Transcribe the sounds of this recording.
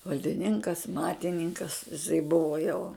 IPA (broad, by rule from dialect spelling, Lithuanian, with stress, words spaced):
ʋɐlʲdʲɪˈnʲɪŋkɐs ˈmɑːtʲɪnʲɪŋkɐs ɪˈsɐɪ ˈbʊʋɐ jɛʊ